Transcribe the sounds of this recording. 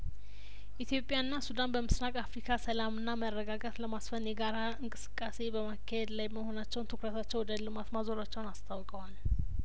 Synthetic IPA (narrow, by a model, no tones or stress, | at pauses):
ʔit̪ʰjo̞pʼːjanːasud̪anbəmɨsnakʼafɾikʰasəlamɨnːamərːəɡaɡat̪ləmasfənjɛɡaɾaɨŋkʼɨ̥sɨ̥kʼːase̞bəmakʰːajed̪lajməho̞nat͡ʃːɛwnt̪ʰokɾət̪ʰat͡ʃːɛwɔd̪əlɨmat̪mazoɾat͡ʃːɛwnast̪ʰawkʼəwal